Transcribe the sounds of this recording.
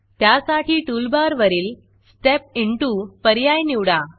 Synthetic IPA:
t̪jasaʈʰiːʈulbaɾʋəɾiːl | sʈep̚iɳʈupəɾjajniʋɽa

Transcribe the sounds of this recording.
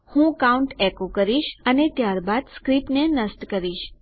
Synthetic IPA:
hũkauɳʈekokəɾiʃənet̪jaɾbad̪skɾipnenəsʈkəɾiʃ

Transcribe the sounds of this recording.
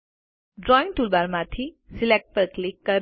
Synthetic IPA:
ɖɾɔĩnʈulbaɾmãt̪ʰi | silek̚ʈ̚pəɾklikːəɾ

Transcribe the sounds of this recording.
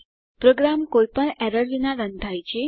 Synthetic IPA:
pɾoɡɾamkojpəɳɛɾəɾlinaɾənd̪ʱajt͡ɕʰe

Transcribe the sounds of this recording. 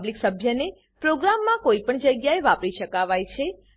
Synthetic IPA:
bliksəbʱjəne | pɾoɡɾamːãkoipəɳd͡ʒəɡjaeʋapɾiʃəkaʋajt͡ʃʰe

